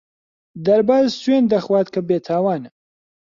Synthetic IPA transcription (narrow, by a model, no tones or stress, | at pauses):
d̪ɐɾbaːzsweːnd̪ɐxwaːt̪kʰɐbeːt̪ʰaːwaːn